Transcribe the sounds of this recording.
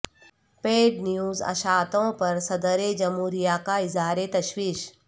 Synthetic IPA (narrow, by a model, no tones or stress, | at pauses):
peːɖnjuːzɐ̰ʃaːt̪õpɐɾsɐd̪əɾed͡ʒɐmuːɾijakaɪzaːɾet̪ɐʃwiːʃ